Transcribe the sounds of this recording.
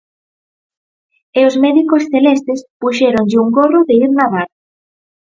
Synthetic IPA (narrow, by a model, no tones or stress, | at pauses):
eozmɛðikosθelɛst̪ɪspuʃɛɾoɲʎɪuŋɡoroðeiɾnaβaɾ